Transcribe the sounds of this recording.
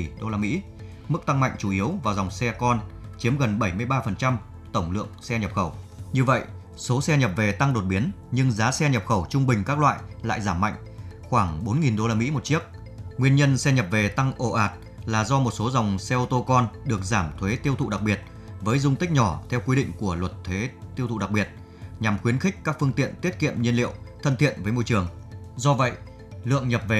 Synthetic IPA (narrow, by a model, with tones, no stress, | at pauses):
ɗo˧laː˧˩mḭ˧˥ | mɨ˦˥k̚t̪a˧ŋma̰˧˨jŋ̟t͡ɕu˧˩ʔi˨˦əwvaː˨˩wza˨˩wŋ͡msɛ˧kɔ˧n | t͡ɕi˨˦əmɣə˨˩nɓə˧˩jmɨ˧əjɓaː˧fə˨˩nt͡ɕa˧m | t̪ə˧˩wŋ͡mlɨ̰˧˨əŋsɛ˧ɲə˨˩p̚xə˧˩wɲɨ˧və̰˧˨j | so˨˦sɛ˧ɲə˨˩p̚ve˨˩t̪a˧ŋɗo˨˩t̚ɓi˨˦ənɲɨ˧ŋzaː˨˦sɛ˧ɲə˨˩p̚xə˧˩wt͡ɕʊ˧ŋ͡mɓï˨˩ŋ̟kaː˦˥k̚lwa̰ː˧˨jla̰ː˧˨jzaː˧˩mːa̰˧˨jŋ̟ | xwaː˧˩ŋɓo˨˦nŋi˨˩nɗo˧laː˧mḭ˧˥mo˨˩t̚t͡ɕi˦˥ək̚ | ŋwi˧ənɲə˧nsɛ˧ɲə˨˩p̚ve˨˩t̪a˧ŋʔo˧˩ʔaː˨˩t̚ | laː˨˩zɔ˧mo˨˩t̚so˨˦za˨˩wŋ͡msɛ˧ʔo˧t̪o˧kɔ˧nɗɨ˨˩ək̚zaː˧˩mt̪ʰwe˨˦t̪i˧əwt̪ʰṵ˧˨ɗa˨˩k̚ɓi˨˩ət̚ | vəː˨˦jzʊ˧wŋ͡mt̪ï˦˥k̚ɲɔ˧˩t̪ʰɛ˧wkwi˧ɗḭ˧˨ŋ̟ku˧˩əlwə˨˩t̚t̪ʰwe˨˦t̪i˧əwt̪ṵ˧˨ɗa˨˩k̚ɓi˨˩ət̚ | ɲa˨˩mxwi˨˦ənxi˦˥k̟̚kːaː˦˥k̚fɨ˧əŋt̪ḭ˧˨ənt̪i˦˥ət̚kḭ˧˨əmɲə˧nlḭ˧˨əwt̪ʰə˧nt̪ʰḭ˧˨ənvəː˨˦jmo˧jt͡ɕɨ˨˩əŋ | zɔ˧və̰˧˨j | lɨ̰˧˨əŋɲə˨˩p̚ve˨˩